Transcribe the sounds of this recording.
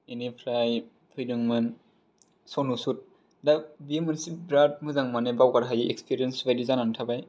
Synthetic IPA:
enipʰɾaj | pʰɯjdɯŋmɯn | sɔnusut̚ | dabiemɯnsibɾat̚mɯzaŋmanebawɡaɾɦajiʔḛkspʰiɾijensbajdizanantʰabaj

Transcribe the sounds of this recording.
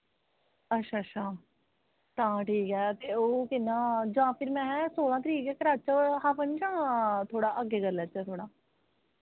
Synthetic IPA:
ətːʃʰaːʃʰaː | t̪ãːʈʰiːkɛːt̪eːoːkɪnːãːd͡ʒãːpʰɪɾmɛ̃ːɦɛːsoːlãːt̪əɾiːkɛːkəɾaːt͡ʃaɦaːpənd͡ʒãːt̪ʰoːɽaːʔəɡeːɡəɾlɛːt͡ʃɛːt̪ʰoːɽaː

